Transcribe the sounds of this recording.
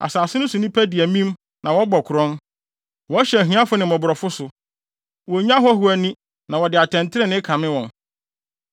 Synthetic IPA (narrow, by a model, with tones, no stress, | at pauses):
a̰˨saː˨sɪ˦nʊ̃˦sʊ˨nĩ˦pʰæ˦di˨æ˨mĩ˦m | nʔã˨wɔ˦bɔ˨kʰʊ˨ɾɔ̃˦n | wɔ˨˦ɕɛ˨ɦĩ˦ã˦fʊ˦nɪ̃˨mɔ̃˨bʊ˨ɾɔ˨fʊ˦sʊ˨ | wɔ˨ɲã˦ɦɔ˦ɦʊ˨æ˨nĩ˦ | nã˨wɔ˨dɪ˨a˨tʰɛ̃˨ntʰɪ˦ɾɪ˦nɪ̃˦kʰã˨mɪ̃˦wɔ̃˨n